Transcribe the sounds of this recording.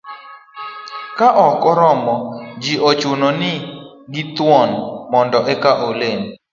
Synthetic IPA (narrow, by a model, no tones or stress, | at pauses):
kaʔɔkɔɾɔmɔd͡ʒiʔɔt͡ʃʊnɔnɪ | ɡɪt̪wɔnmɔndɔʔɛkaʔolen